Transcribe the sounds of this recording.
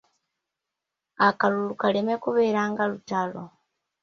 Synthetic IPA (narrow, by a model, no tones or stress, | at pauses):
akalulukalemekuβeːɾaːŋɡalutalo